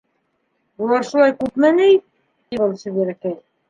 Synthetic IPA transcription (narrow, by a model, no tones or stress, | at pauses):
bulˠɑɾʃulˠɑjkʉpmænɘi | iβɤlˠsɘ̆βæɾɘ̆kæj